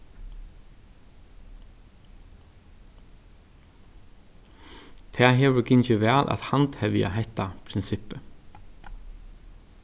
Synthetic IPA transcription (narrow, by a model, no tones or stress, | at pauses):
t̪ʰɛːɦɛːʋʏɾkɪɲt͡ʃɪʋɛːlʔa̰ðhant̪hɛvja̰ɦɛht̪ːapʰɾɪnsɪhpɪ